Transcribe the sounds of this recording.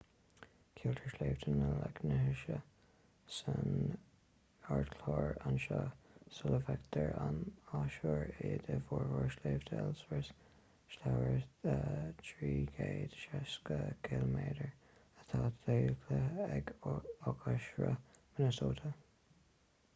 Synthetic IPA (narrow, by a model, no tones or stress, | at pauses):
kʰuːlt̪ʰəɹʃleːvtʰənəlɛɡnəhəʃə | sən | aɹd̪kʰlɔːɹanʃɑsʊləvɛkt̪ʰəɹanaʃoɹed̪əvɔːɹvɔɹʃleːvt̪ʰɛlswəɹs | ʃlawəɹətʰɹiːɡeːd̥̪ʃɛskəɡɪlmeːdəɹ | ət̪ʰaːt̪eːkʰləɛɡɔɡʰaʃɹə̰mənəsoːtʰə